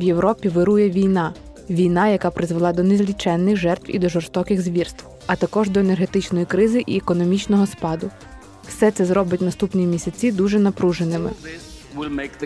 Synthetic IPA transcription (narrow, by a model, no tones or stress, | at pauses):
wje̞wɾɔpʲiʋɪɾujɛʋʲijnɑ | ʋʲijn̪ɑjɐkɑpɾɪzʋelˠɑd̪ɔnezlʲit͡ʃɛnːɪxʒɛrt̪ʋwḭd̪ɔʒɔrst̪ɔkɪɣzʋʲirst̪w | ɐt̪ɐkɔʒd̪ɔene̞rɦe̞t̪ɪt͡ʃnɔjikɾɪzɪʔiekɔnɔmʲit͡ʃnɔɦɔspɑd̪ʊ | wsɛt̪sɛzɾɔbɪt̚ʲnɐst̪upnʲimʲisʲɐt͡sʲid̪uʒɛnɐpɾuʒenɪmɪwk